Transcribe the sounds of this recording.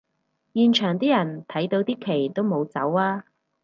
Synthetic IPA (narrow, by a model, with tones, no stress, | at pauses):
jiː˨˧nt͡ʃʰœː˨˩ŋt̪iː˥jɐ˨˩nt̪ʰɐ˨˥jt̪o˧wt̪iː˥kʰe˨˩jt̪o˥wmo˨˧wt͡sɐ˨˥waː˥